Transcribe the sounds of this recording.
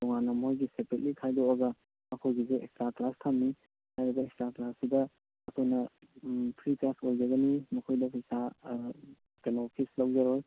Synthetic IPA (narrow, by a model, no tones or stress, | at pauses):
dɔŋanɐmojɡisepɾet̚likʰajdoːɡɐ | mɐkʰojɡizeekstɾaklastʰamːi | hajɾibɐekstɾaklasːibɐ | ɐkʰonɐ | pʰɾiklasojd͡ʒɐɡɐnimɐkʰojdɐpʰisa | ɡenopʰislawd͡ʒɐɾoj